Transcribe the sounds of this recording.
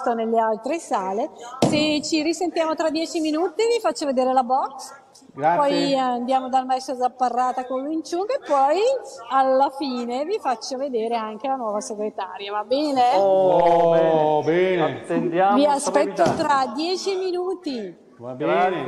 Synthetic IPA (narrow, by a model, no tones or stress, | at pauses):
t̪onelːealt̪ɾesaːleset͡ʃːiɾisent̪jaːmot̪ɾad̪ːjɛːt͡ʃiminuːt̪ivifat͡ʃːoved̪eːɾelabɔks | ɡpapɔjand̪jaːmod̪almaɛsɾozapːarːaːt̪akoluint͡ʃukaepːɔjalːafiːnevifat͡ʃːoved̪eːɾeaŋk̟elanwɔːvaseɡɾet̪a̰ːɾjavabɛːne | bɛnenaviasppɛt̪ːot̪ɾad̪jɛːt͡ʃiminuːt̪i | b